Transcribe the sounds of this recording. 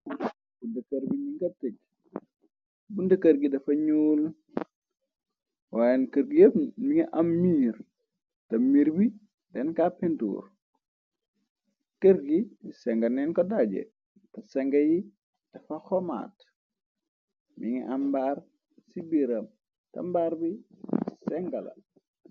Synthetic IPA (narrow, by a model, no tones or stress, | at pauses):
bundɐkɐɾbiɲiŋɡɐtək̚ | bundɐkəɾɡidɐfɐɲuːl | waːjɛnkəɾɡijɐmiŋɛʔɐmːiːr | tɐmiːɾbi | dɛnkapɛntṵːr | kəɾɡisɛŋɡɐnɛnkɔdaːɟɛ̰ | tɐsɛŋɡɐji | d̥ɐfɐxɔma̰ːt | miŋɛʔɐmbaːr | sibiɾɐm | tɐ̰mbaːɾbisɛŋɡɐlɐ̰